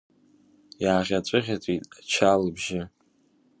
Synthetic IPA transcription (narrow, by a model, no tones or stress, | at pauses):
jaːʁʲat͡sʷʼɨʁʲat͡sʷʼitʼat͡ʃʰalɨbʒɪ